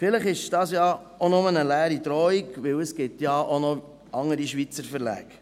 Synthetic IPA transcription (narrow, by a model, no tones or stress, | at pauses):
fɪləχɪʃd̥ɑːsjɑ | onʊmənəlæːɾidɾɔikʋɪwəsɡ̥ɪtjɑʔonɔ | ɑŋəɾiʃʋit͡səɾfəɾlæ̰ːk